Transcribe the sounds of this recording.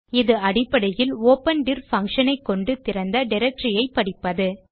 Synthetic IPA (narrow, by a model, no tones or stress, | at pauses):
ɪðɯɐɽɪpːɐɽɐjɪloːpɐnɖɪɾfɐŋkʂɐnɐɪkːɔɳɖɯt̪ɪɾɐnd̪ɐɖɪɾɐk̚ʈɾɪjɐɪpːɐɽɪpːɐðɯ